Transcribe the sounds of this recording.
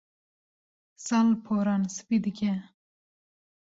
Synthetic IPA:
salpʰoɾɑnsɨ̥pid̪ɨkʲɛ

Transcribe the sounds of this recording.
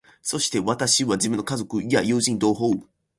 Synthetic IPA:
so̞ɕi̥t̪e̞βat̪aɕiβad͡ʑimɯ̟nːo̞kazo̞kɯ̟ijajɯ̟ːʑĩnd̪o̞ːɦo

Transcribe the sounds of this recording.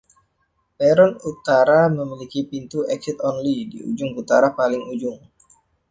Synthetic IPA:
pɛɾɔnut̪aɾaməmilikipint̪uɛksɪt̪ɔnlidḭṵd͡ʒʊŋut̪aɾapalɪŋud͡ʒʊŋ

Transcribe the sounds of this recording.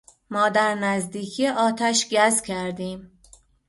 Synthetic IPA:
mɒːd̪æɾnæzd̪iːcʰijeʔɒːt̪ʰæʃɟæzcʰæɾd̪iːm

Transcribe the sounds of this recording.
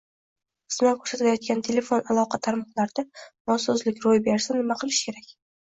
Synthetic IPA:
qʰɨ̥smakʲʰɵɾsat̪ʰlajɒt̪̚kʲant̪ʰe̞le̞fo̞nalˠɒqʰɑt̪ʰaɾmɒqlˠaɾd̪̥anɒsɒzlɪkʲɾojbeɾsanɪmaqʰɨlˠɪʃkʲʰe̞ɾakʲ

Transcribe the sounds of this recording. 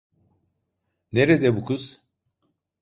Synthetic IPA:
neɾed̪ɛbukʰuz̥

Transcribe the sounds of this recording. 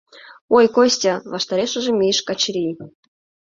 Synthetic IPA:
ojkosʲtʲavɑʃt̪ɑɾʲeʃə̆ʒĕmʲejʃkɑt͡ɕɾʲi

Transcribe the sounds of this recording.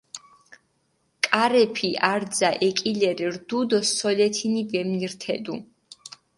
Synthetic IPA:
kʼaɾɛpʰiʔaɾd̪zaʔɛkʼilɛɾiɾd̪ud̪ɔsɔlɛt̪ʰinivɛmniɾt̪ʰɛd̪u

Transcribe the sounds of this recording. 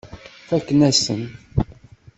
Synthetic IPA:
fækːənæsən

